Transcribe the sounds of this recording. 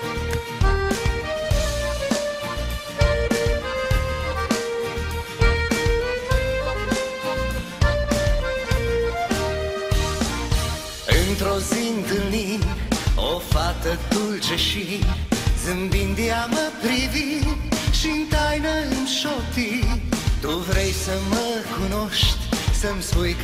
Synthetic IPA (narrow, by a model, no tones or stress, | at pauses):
ẽnt̪ɾoziɲd̪ɨli | ofat̪ɐt̪ulʒɐʃi | zɨmbĩnd̪iamɐpɾiviʃĩnt̪ajnɐmʃɔt̪id̪uvɾejsɐmɐkunoʃt̪sɐmsujk